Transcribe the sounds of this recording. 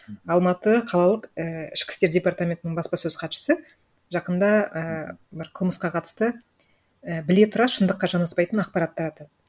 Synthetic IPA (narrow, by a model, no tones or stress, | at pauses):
ɑlˠmɑt̪əqʰɑlˠɑlˠəqəɪ̰ʃkʲɪ̥st̪e̞ɾdʲe̞part̪amʲe̞nt̪ɪnɪɴbɑspɑsɵz̥qʰɑpʃɪ̥sɪ | ʒɑqənd̪ɑəbɪɾqʰəlˠməsqɑqʰɑt̪əst̪ə | əbɪle̞t̪ʰʊɾɑʃənd̪əqːɑʒɑnɑspɑjt̪ənɑq̚pɑɾɑt̪ːɑɾɑt̪ɑd̪ə